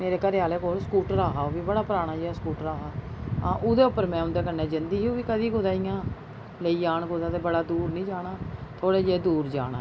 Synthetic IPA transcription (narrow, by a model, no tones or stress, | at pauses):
meːɾeːkəɾaːleːkoːlskuːʈɾaːɦaːoʋiːbəɽaːpəɾaːɽ̃aːd͡ʒeːaːskuːʈɾaːɦaːaːʔʊd̪eːʊpːəɾmɛ̃ːʊ̃nd̪eːk̬ənːɛːd͡ʒənd̪iːɦiũːʋiːkəd̪iːkʊd̪aːijãː | ləiːd͡ʒaːɳɡod̪ãːt̪eːbəɽaːd̪uːɾnĩːd͡ʒaːɽaːt̪ʰoːɽeːd͡ʒeːd̪uːɾd͡ʒaːɽ̃a̰ː